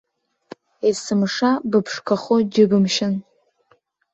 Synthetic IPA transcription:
esɨmʂabɨpʰʂkʷʰaχod͡ʒɪbɨmʃɪn

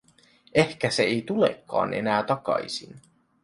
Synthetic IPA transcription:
ʔehkæse̞ejt̪ulḛkːɑ̰ːnʔe̞̰næːt̪ɑkɑ̰jsḭn

